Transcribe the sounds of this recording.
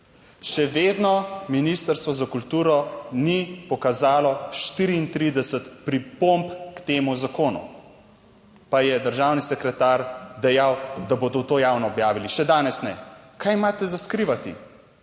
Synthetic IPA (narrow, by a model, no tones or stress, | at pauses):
ʃɛʋeːd̪nɔminist̪əɾst̪ʋɔzakult̪uːɾɔnipɔkazaːlɔʃt̪iːɾiːnt̪ɾid̪ɛsət̪pɾipompkt̪eːmuzakoːnṵ | pajɛd̪əɾʒaːwnisɛkɾɛt̪aːɾd̪ɛjawd̪aboːd̪ɔwt̪oːjaːwnɔːbjaːʋiliʃɛd̪aːnɛsnɛkajmaːt̪ɛzaskɾiʋat̪ḭ